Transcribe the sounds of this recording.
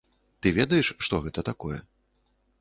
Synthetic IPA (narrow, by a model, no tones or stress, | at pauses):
t̪ɨvʲɛd̪ɐjɛʂʂt̪ɔɣɛt̪ɐt̪akɔjɛ̰